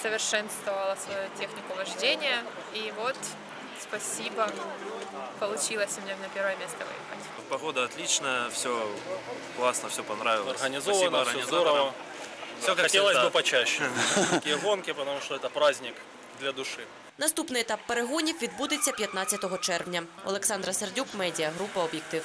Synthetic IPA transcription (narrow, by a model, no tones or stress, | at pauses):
səvʲɪrʂɛnst̪vɐvɐlˠɐsvɐjutʲexnʲɪkʊvɐʐdʲenʲɪjɐ | ivot̪ | spɐsʲibɐ | pɐlˠʊt͡ɕilˠəsʲmnʲenʲɐpʲeɾvəjɛmʲest̪əɐvɨ̰jxɐ̰tʲ | pɐɣod̪əɐt̪lʲit͡ɕnəjəfsʲo | klˠasnəfsʲopɐnɾavʲɪlˠɐɐsɣənʲɪzovɐnəɪzovɐfsʲoɐtʲelˠəzʲbɨpɐt͡ɕæɕːɛtɐkʲijɛɣonkʲɪpət̪ɐmuʂt̪ɔɛt̪ɐpɾazʲnʲɪk | d̪lʲɐd̪ʊʂɨ | nɐst̪upnɨɪjɛt̪apːeɾeɦɔnʲiwʋʲid̪̚bud̪ɪt͡sʲːɐpʲjɐt̪natʲt͡sʲːɐt̪ɔɦɔt͡ʃɛrʋnʲɐɔ̰lˠeksɑnd̪ɾɐsɐrdʲukmɛdʲɪjɐɦɾupɐɔbʲjek̚t̪ɪw